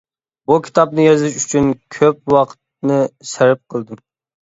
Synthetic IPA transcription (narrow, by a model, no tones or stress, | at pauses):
bukʲʰi̥t̪ʰɑp̚nɨjɑzɪʃyt͡ʃʰynkʲʰøp̚wɑqʰt̪̚nɨsɪɾɪp̚qʰəlˠd̪ɨm